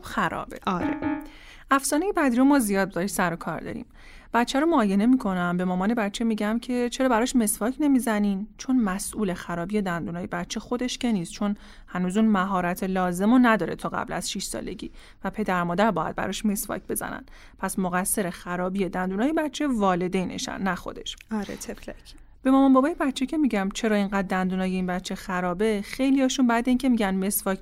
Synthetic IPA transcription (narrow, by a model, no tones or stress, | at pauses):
obxæɾɒ̰ːbḛɒːɾe | ʔæfsɒːne̞jebæd̪iɾomɒːzijɒːd̪̚zɒːɾisæɾokʰɒ̰ːɾd̪ɒ̰ɾḭːm | b̥æt̪t͡ʃʰæɾomoːje̞ne̞miːkʰo̞næmbe̞mɒːmɒːne̞bætt͡ʃʰe̞miɟæmcʰe̞t͡ʃʰe̞ɾɒːbæɾɒʃme̞svɒːcʰne̞miːzæniːnt͡ʃʰo̞nmæsʔuːle̞xæɾɒːbije̞d̪ænd̪uːnɒːjebæt̪t͡ʃʰe̞xo̞d̪e̞ʃce̞niːst̪t͡ʃʰo̞n | hænuːzuːnmæɦɒːɾæt̪ʰelɒːze̞monæd̪ɒːɾe̞t̪ʰɒːɣæ̰blæ̰z̥ʃiʃsɒ̰ːleɟḭː | væpʰe̞d̪æɾmɒːd̪æɾbɒːjæ̰d̪̚bæ̰ɾɒʃme̞svɒ̰c̚ʰbe̞zæ̰næ̰nd̪̥ | pʰæsmoɣæsːe̞ɾexæɾɒːbije̞d̪ænd̪uːnɒːjebæt̪t͡ʃʰːe̞vɒːle̞d̪ejnḛʃæ̰nːæxo̞̰d̪e̞̰ʃɒɾḛt̪ʰeklæcʰ | b̥e̞mɒːmɒnbɒbɒːjebæt̪t͡ʃʰːecʰe̞miːɟæmt͡ʃʰe̞ɾɒːiŋɢæːd̪̚d̪ænd̪uːnɒːjeiːnbæt̪t͡ʃʰːe̞xæɾɒːbe̞xe̞jliɒːʃunbæd̪iːncʰe̞miːɟænme̞svɒːcʰ